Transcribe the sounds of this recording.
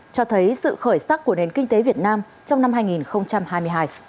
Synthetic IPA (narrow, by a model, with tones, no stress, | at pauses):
t͡ɕɔ˧t̪ʰə˨˦jsɨ̰˧˨xəː˧˩jsaː˦˥k̚kːu˧˩əne˨˩nkï˧ŋ̟t̪e˨˦vi˨˩ət̚naː˧m | t͡ɕɔ˧wŋ͡mna˧mɦaː˧jŋi˨˩nxə˧wŋ͡mt͡ɕa˧mhaː˧jmɨ˧əjɦaː˧j